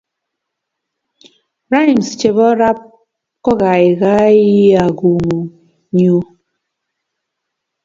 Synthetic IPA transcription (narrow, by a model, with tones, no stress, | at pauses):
ɾa˦jm˨st͡ʃe˨βɔ˦ɾa˦p̚ | kɔ˦ɣa˨i˨ɣa˦ji˦a˨ɡu˨ŋu˨ | ɲu˦